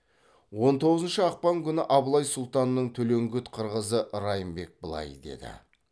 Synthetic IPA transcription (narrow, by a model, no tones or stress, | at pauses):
wo̞nt̪ʰo̞ʁəzənʃəɑq̚pɑŋkʲʰʏnɪʔɑblˠɑjsʊlˠt̪ɑnːəɴt̪ʰɵle̞ŋɡʲʏt̪qʰəɾʁəzəʔɾɑjəmbe̞k̚bəlˠɑ̰jd̪e̞̰d̪ɪ̰